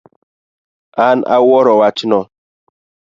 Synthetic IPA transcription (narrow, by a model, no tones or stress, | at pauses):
ana̰wɔɾɔwat͡ʃinɔ